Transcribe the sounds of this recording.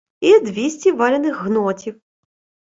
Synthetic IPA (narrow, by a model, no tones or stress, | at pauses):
id̪ʋʲisʲtʲiʋɑlʲɪnɪxɦnɔtʲiw